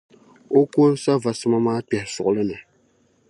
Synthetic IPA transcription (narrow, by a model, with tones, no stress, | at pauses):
o˦ko˦n˦sa˦va˨sɨ˦ma˦maː˦pɛ˨hɪ˨sʊ̰˨ʔʊ˨lɨ˦nɨ˨